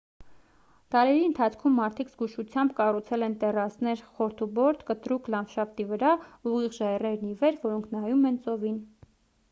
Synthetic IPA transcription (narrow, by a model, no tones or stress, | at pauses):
t̪ɑɾɛɾiənt̪ʰɑt͡sʰkʰumːɑɾt̪ʰikzɡuʃut͡sʰjɑmbkɑrut͡sʰɛlɛnt̪ɛrɑsnɛɾχɔɾt̪ʰubɔɾt̪ʰkət̪ɾukʰlɑnfʃɑft̪ivəɾɑuʁiʁʒɑjrɛɾnivɛɾvɔɾɔŋkʰnɑjumɛnt͡sɔvin